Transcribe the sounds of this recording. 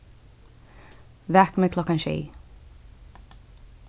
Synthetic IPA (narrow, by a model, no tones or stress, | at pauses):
vɛkmɛːkʰlɔkanʃḭː